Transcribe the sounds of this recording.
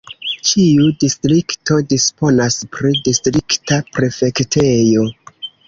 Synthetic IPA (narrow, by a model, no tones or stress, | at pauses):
t͡ʃiudistɾikto̞dispo̞naspɾidistɾiktapɾe̞fe̞ktʰe̞jo̞